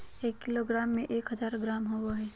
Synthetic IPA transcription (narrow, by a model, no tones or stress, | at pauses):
eːkːiloɡɾaːmːẽʔeːkɦəzaːɾɡɾaːmɦowaɦɛː